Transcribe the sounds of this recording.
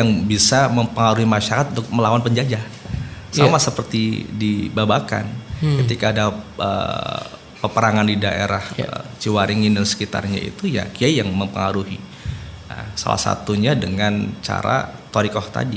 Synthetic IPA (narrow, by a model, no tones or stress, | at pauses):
jaŋbisaməmpəŋaɾuhimaʃaɾat̪̚unt̪ʊk̚məlawanpəɲd͡ʒad͡ʒasamasəpərt̪idibabaka̰nkət̪ikaːdaə̰ | pəpəɾaŋandidaʔḛɾahə̰t͡ʃiwaɾiŋindansə̥kit̪a̰rɲa̰ḭt̪uja̰kiajaŋməmpəŋaɾuɦi | a̰sa̰la̰hsa̰t̪uɲadəŋant͡ʃa̰ɾa̰t̪oɾikɔht̪a̰di